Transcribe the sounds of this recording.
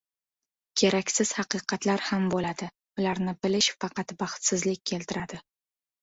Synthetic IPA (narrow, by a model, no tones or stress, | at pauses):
kʲʰe̞ɾakʲsɪz̥hɑqɨqʰɑt̪laɾhambolad̪ɪ | ʊlaɾnɪbɪlɪʃfɑqɑt̪bɑχt̪sɪzlɪk̚ʲkʲʰːe̞lt̪ʰɪɾad̪̥ɪ